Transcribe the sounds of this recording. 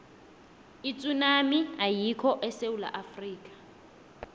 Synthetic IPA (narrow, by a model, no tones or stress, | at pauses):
it͡sʼunamiajikʰɔʔɛseula̰ʔafriːkʼḁ